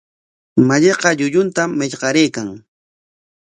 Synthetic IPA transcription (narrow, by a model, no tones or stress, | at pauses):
maʎeqɑʎʊʎʊnt̪amːɪʎɢɑɾejkaŋ